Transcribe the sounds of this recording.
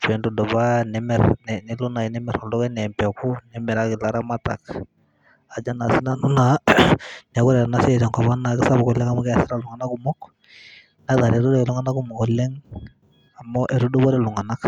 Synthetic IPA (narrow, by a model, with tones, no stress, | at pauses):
pɛ˨ndu˨dɔ˨ba˦nɛ˦mɛ˨ɾnɛnɛ˦lu˦na˨i˨nɛ˦mɛ˨ɾɔ˨ldɔ˦kɛ˦nɛ˨mpɛ˨ku˦nɛ˦mɛ˨ɾa˦kɪ˨la˦ɾa˦ma˦ta̰˨k | a˨d͡ʒa˦na˨si˦na˦˨nu˦na˨ | n˨a˨kʊ˦ɾɛ˨ɾa˨na˦sɛ˦˨tɛ˨ŋkɔ˨βa˦na˨kɪ˦sa˦bɔ˨kɔ˨lɛ˦ŋa˦mɔ˦kɛ˦a˨sɪ˦ɾa˨lu˨ŋa˨na˦ku˦mɔ˦k | na˦ta˨ɾɛ˨ɾu˦dɔ˦kɛ˨lu˦ŋa˦na˦ku˦mɔ˨kɔ˨lɛ˦ŋ | a˨mɔ˦ʔe˨ɾu˦du˦bɔ˦ɾɛ˨lu˨ŋa˨na˦k